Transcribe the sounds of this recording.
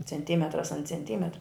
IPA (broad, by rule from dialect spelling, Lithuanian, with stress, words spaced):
t͡sʲɛnʲˈtʲiːmʲɛtrɐs ɐn t͡sʲɛnʲˈtʲiːmʲɛtrɐ